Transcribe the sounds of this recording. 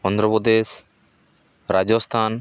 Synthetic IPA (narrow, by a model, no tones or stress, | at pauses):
ɔnd̪ɾɔpɔd̪es | ɾad͡ʒɔst̪ʰan